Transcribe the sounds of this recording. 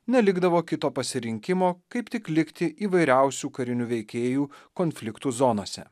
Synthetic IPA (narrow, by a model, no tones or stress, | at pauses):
nʲɛlʲɪɡd̪ɐʋoːkʲɪt̪oːpɐsʲɪɾʲɪŋʲkʲɪmoːkɐɪpt̪ʲɪklʲɪkt̪ʲɪʔiːʋɐɪɾʲæˑʊsʲuːkɐɾʲɪnʲʊʋʲɛɪkʲeːjuːkonʲfʲlʲɪkt̪uːzɔnoːsʲɛ̰